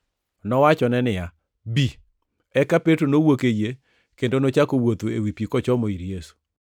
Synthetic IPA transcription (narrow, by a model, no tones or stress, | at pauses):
nɔwat͡ʃɔnɛnɪja | bi | ɛkapetonowokeje | kendonot͡ʃakowot̪oḛwipikɔt͡ʃɔmoiɾjesu̥